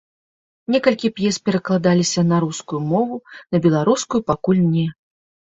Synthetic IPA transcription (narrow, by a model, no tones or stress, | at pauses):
nʲɛkɐlʲkʲipjɛspʲɛɾɐklˠad̪alʲisʲɐnɐɾuskujumɔvunɐbʲɛlˠaɾuskujupakulʲnʲɛ